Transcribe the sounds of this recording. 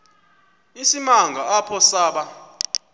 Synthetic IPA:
isimaŋɡʱaapʰɔsaːɓa

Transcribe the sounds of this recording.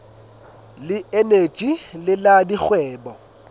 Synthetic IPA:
lɪene̥t͡ʃʼilɪladik͡xwɛːbɔ

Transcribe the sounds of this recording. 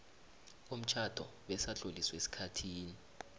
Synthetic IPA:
om̩t͡ʃʰad̥ʱɔ̰ɓɛsaɬoliswesi̥kʰatʰiːni

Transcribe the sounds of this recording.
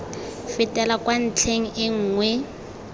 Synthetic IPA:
fɪtʼɛlakwan̩t͡ɬʰeŋ̩ʔɪŋ̩ːŋwɛ

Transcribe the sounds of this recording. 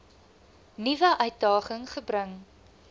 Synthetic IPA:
nivəʔœɥt̚dɑːχəŋχəbɾəŋ

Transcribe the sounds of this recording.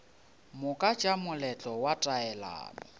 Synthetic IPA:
mʊkʼḁd͡ʒamʊlɛt͡ɬʼɔwatʼaɛla̰ːmɔ̰

